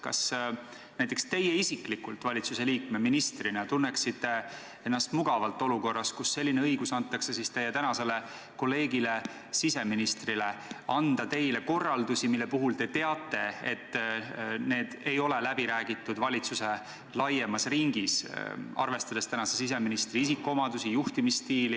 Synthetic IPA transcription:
kɑ̰s | næjt̪ːˑekst̪e̞jeisiklikult̪vɑlʲit̪suse̞liːk̚meminist̪rinet̪unːeksit̪ːˑe̞ | e̞nːɑst̪muɡ̥ɑvɑlt̪ːˑo̞luko̞rːɑskusːe̞lʲːineɤjɡ̥usɑnt̪ːˑɑksesist̪e̞jet̪ænɑse̞le̞ | ko̞lːe̞ːɡile | sise̞minist̪rile̞ɑnd̪̥ɑt̪e̞jle̞ko̞rːɑld̪usimilːepuɦult̪e̞t̪e̞ɑt̪ːˑe̞e̞t̪ː | ne̞ːd̪̥e̞jo̞lelæb̥iɾæːɡ̥it̪ˑːud̪vɑlʲit̪suse | lɑjemɑsriŋɡisɑ̰rve̞st̪ɑd̪e̞st̪ænɑsesis̬e̞minist̪riisikːˑuomɑd̪̥usijuht̪imist̪iːli

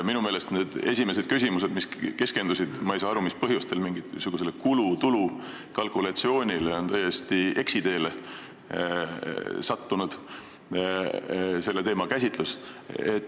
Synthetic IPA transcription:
minume̞ːle̞st̪ne̞ːd̪̥e̞sʲime̞s̬e̞d̪̥̚kys̬ʲimus̬e̞d̪miske̞ske̞nd̪usid̪̥mɑejsɑːɑɾumispɤɦjust̪e̞lmiŋɡisuɡ̥us̬e̞lːekulut̪ulu | kɑlkulɑt̪sio̞ːnʲileo̞nt̪æje̞st̪ie̞ksid̪e̞ːle | sɑt̪ːunud̪̥ | se̞lːe̞t̪e̞ːmɑkæs̬ʲit̪ˑluse̞̰t̪ː

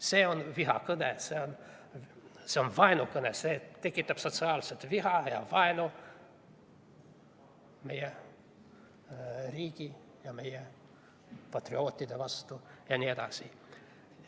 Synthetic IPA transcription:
seonʋiɦɑ̰kɨnæ̰seon | seonʋɑinokɨnæset̪ekːit̪ːæpsot̪sɑːlset̪ʋihɑjɑ̰ʋɑino | mejæ | riːki | jɑmejæ | pɑt̪rioːt̪ʲːid̪eʋɑst̪ujɑnʲied̪ɑ̰si

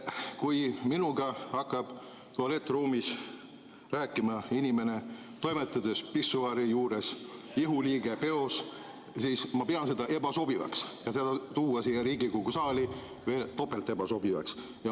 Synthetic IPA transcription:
kujminuɡ̥ɑɑkːˑɑb̥ | t̪oɑle̞t̪ːruːmis | ræːkːˑimɑinʲime̞ne̞ | t̪o̞jmet̪ːˑɑd̪̥espisuɑɾijuːɾes | iɦuliːɡ̥e̞pe̞o̞s | siːsmɑpeɑnse̞d̪̥ɑʔe̞bɑso̞b̥ivɑ̰ksjɑsed̪ɑt̪uːɑsiːeɾiːɡikuɡusɑːli | ve̞ːlt̪o̞pːelt̪ːˑe̞bɑso̞bivɑ̰ks | jɑ

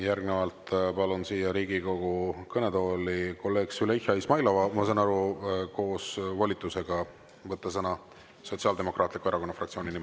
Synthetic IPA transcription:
jæɾɡ̥ne̞vɑlt̪pɑlunsiːjɑɾiːɡiko̞ɡ̥ukɤne̞d̪o̞ːliko̞lːe̞ːɡ̥syleçjɑismɑjlɑvɑmɑs̬ɑnɑɾuko̞ːsvɑlʲit̪ːˑuse̞ɡ̥ɑ | vɤt̪ˑːɑsɤnɑ | so̞t̪sɑld̪e̞mo̞krʔɑːt̪likue̞ɾɑko̞nːɑfrɑkt̪sio̞ːnʲinim

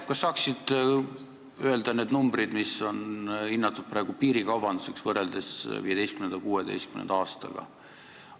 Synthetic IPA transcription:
kɑsːɑːksid̪̥ | øeld̪̥ɑne̞ːd̪numbɾid̪̥miso̞ninːɑt̪ːˑud̪̥̚pɾɑˑe̞ɡ̥upiːɾikɑwbɑnd̪̥use̞ksvɤreld̪e̞sviːje̞̥ejst̪kymnend̪ɑkuːed̪e̞̰jst̪kymnḛnɑɑːst̪ɑ̰ɡ̥ɑ̰

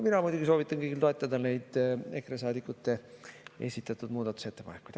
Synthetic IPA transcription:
minɑmujd̪ʲuɡiso̞ːvit̪ˑːɑnkɤjɡilt̪o̞e̞t̪ˑːɑd̪ɑne̞jd̪̥e̞kɾes̬ɑːd̪ikːˑut̪ːe̞e̞̰sʲit̪ːˑɑt̪ːˑud̪̥muːd̪ɑt̪ːˑu̥se̞t̪ːe̞pɑnekːujd̪̥

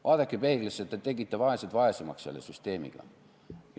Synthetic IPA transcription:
vɑːd̪ekːˑipeːɡleset̪ːet̪e̞ɡit̪ːˑevɑeset̪vɑesemɑ̰ksse̞lːḛsyst̪e̞ːmḭɡ̥ɑ̰ | j

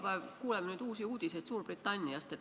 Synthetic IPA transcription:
pævkuːlemenyːd̪uːsiuːd̪̥iset̪suːrb̥rit̪ːˑɑnʲːijɑst̪et̪

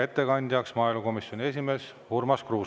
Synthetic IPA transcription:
e̞t̪ːe̞kɑnʲd̪ʲjɑksmɑːjluko̞misjo̞nʲie̞s̬ʲime̞ːs | hurmɑskruː

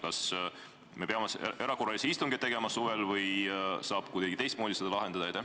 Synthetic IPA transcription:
kɑs | me̞peɑmese̞ɾɑko̞rːɑliseist̪uŋɡet̪ːe̞ɡe̞mɑsuvelvɤjsɑːb̥kujd̪ɑɡit̪e̞jst̪moːd̪ised̪ɑlɑɦend̪̥ɑd̪ɑejt̪e

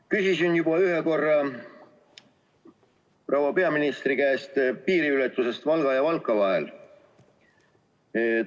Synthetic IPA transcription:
kysisinjubɑyɦeko̞rːɑ | prɑwɑpe̞ɑminist̪rikæːst̪piːɾiylɛt̪ˑːuse̞st̪vɑlɡ̥ɑjɑvɑlkːˑɑvɑɦḛl

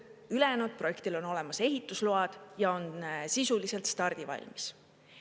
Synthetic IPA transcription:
ylenod̪̥̚pro̞je̞kt̪ilo̞no̞le̞mɑse̞ɦit̪ːˑusluɑd̪̥jɑo̞nsisulise̞lt̪st̪ɑrd̪̥ivɑ̰lʲmis

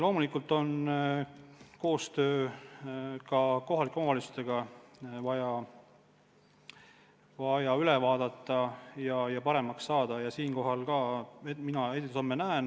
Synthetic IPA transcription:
lo̞ːmulikːˑult̪ːˑo̞n | ko̞ːst̪ø̞ː | kɑko̞ɦɑlikːɑɦɑlisu̥st̪eɡ̥ɑvɑjɑ | vɑjɑylevɑːd̪̥ɑt̪ːˑɑjɑjɑpɑɾemɑksːɑːd̪̥ɑjɑsiːnkoɦɑlkɑːeminɑeit̪somːenæen

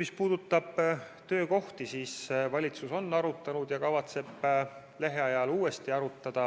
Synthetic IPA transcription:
mispuːd̪̥ut̪ːˑɑb̥ | t̪ø̞ːko̞ht̪isiːsvɑlʲit̪suso̞nːɑɾut̪ːˑɑnud̪̥jɑkɑvɑt̪se̞b̥ | le̞ɦe̞ɑjɑluːe̞st̪iɑɾut̪ːˑɑd̪̥ɑ

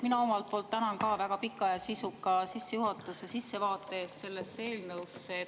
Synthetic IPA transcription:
minɑo̞mɑlt̪̚poːlt̪ːænɑnkɑːvæɡ̥ɑpikːˑɑjɑsisukˑːɑsisːe̞juɦɑt̪ːˑusesisːe̞vɑːt̪ːˑe̞eːst̪se̞lːesːe̞ːlnɤwsːe

